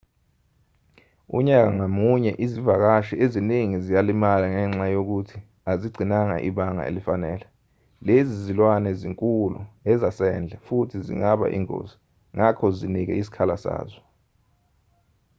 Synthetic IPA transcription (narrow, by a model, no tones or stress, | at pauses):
ṵɲak̬aŋamuɲɛʔizivak̬aʃieziniŋizijalimalaŋɛŋ͡ǁajok̬utʰi | aziɡ͡ǀʱinaŋa̰ʔiɓaŋa̰ḛlifanɛːlɛ | lezizilwanɛziŋkʼulṵɛzasɛnd͡ɮʱɛfutʰizḭŋaɓa̰ʔḭŋo̰ːzi | ŋʔakʰɔzinik̬ɛ̰isi̥kʰalasa̰ːzɔ